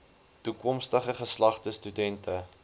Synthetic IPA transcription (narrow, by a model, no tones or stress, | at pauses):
tukɔmstəχəχəslɐχtəstydɛntə